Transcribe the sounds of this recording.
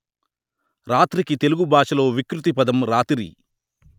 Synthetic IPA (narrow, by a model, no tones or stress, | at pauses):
ɾaːt̪ɾikit̪e̞luɡubʱaːʂɐlo̞ːʋikɾut̪̬ipɐd̪ɐmɾaːt̪iɾḭ